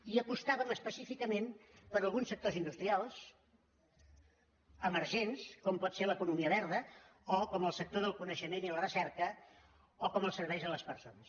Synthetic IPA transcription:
iəpust̪aβəməspəsifikəmenpəɾəlˠɣunsək̚t̪ozind̪ust̪ɾialˠs | əməɾʒenskɔmpɔt̪seləkunumiəβɛɾðəɔkɔməlˠsək̚t̪oðəlˠkunəʃəmenilərəsɛɾkə | ɔkɔməlˠsəɾβɛjzðələspəɾsonəs

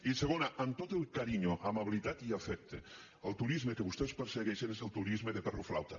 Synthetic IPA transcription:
iseɣonaʔant̪ot̪elˠkaɾiɲoʔamaβilit̪at̪iafɛk̚t̪ḛ | əlˠt̪uɾizmekeβust̪ɛwspəɾseɣɛʃenezəlˠt̪uɾizmeðepɛroflawt̪a

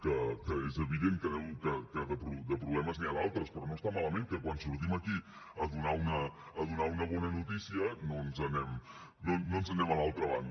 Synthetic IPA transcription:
kəkəezəβ̞iðeŋkənɛmkəkəðəpɾud̪əpɾuβlɛməzniaðalˠt̪ɾəspɾɔnost̪amaləmeŋkəkwansuɾt̪iməki | əðunaunəː | ðunaunəβ̞ɔnənut̪isiənonzənɛm | nonoənzənɛməlalˠt̪ɾəβa̰n

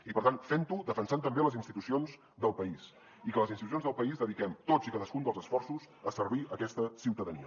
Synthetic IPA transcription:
ipəɾt̪anfɛnt̪uðəfənsant̪əmbeləzinst̪it̪usionz | d̪əlˠpəis | ikələzinst̪ius̬jonzðəlˠpəizðəðikɛmt̪oikaðəskund̪əlˠzəsfɔrsuz | əsəɾβiəkɛst̪əsiwt̪əðəniə

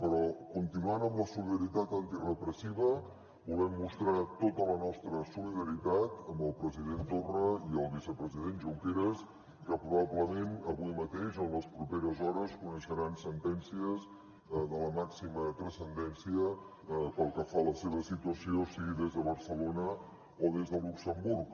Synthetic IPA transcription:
pəɾɔkunt̪inuanəmləsuliðəɾit̪at̪ant̪irəpɾəsiβə | βulˠɛmːust̪ɾat̪ot̪ələnɔst̪ɾəsuliðəɾit̪at̪əmbəlˠpɾəziðent̪orəiəlˠβisəpɾəzið̞enʒuwkeɾəs | kəpɾuβabləmenəβuimət̪eʃənləspɾupeɾəzɔɾəskunəʃəɾansənt̪ɛnsiəz | ðələmaksimət̪ɾəsənd̪ɛnsiə | pəlˠkəfaləseβəsit̪uəsiosiɣiðezðəβəɾsəlonə | oðezðəluksəmburk

